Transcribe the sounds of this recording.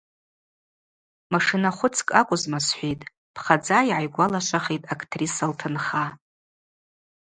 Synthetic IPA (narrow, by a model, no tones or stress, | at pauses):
maʂɨnaχʷʊt͡sʰkʼakʷʼʊzmasħʷijtʼ | pʰχad͡zaiʕajɡʷalaʃʷaχejtʼakʰtʰrisaltʰɨnχa